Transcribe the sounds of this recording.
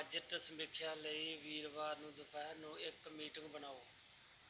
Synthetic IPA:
d͡ʒəʈəsəmɪkʰːjaːləiːʋiːɾʋaːɾnũːd̪ʊpʰɛːnũːɪkmiːʈɪ̃ŋɡbənaːoː

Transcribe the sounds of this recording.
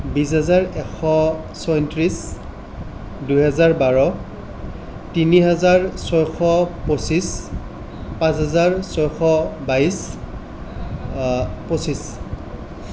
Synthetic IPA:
bis̬ɦazaɹɛkʰɔ | sɔjntɹis | dujɦɛzaɹbaɹɔ | tiniɦazaɹsɔjxɔposis | pãs̬ɦazaɹsɔjxɔbajs | posis

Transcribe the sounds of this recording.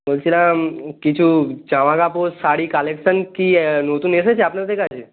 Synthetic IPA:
molsilãkit͡ʃʰuːd͡ʑãʋãkaposaɽiːkaleksənkinot̪uːnesat͡ɕʰeapnət̪ekat͡ɕʰe

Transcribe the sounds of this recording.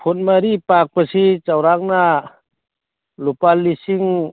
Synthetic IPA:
pʰun̚maɾipak̚pasit͡ʃawɾaŋ̚na | lupalːisiŋ

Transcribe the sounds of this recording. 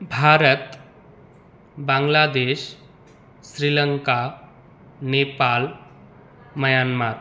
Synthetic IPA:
bʱaːɾət̪ | bãːŋlad̪eːʃ | sɾiləŋka | nepaːl | məjaːnmat̪

